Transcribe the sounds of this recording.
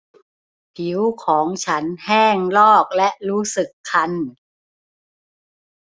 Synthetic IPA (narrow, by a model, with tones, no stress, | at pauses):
pʰi˩˦wkʰɔː˩˦ŋt͡ɕʰa˦˥nhɛː˥˩ŋlɔː˥˩k̚lɛ˦˥ʔɾuː˦˥sɯ˨˩kʰːa˧n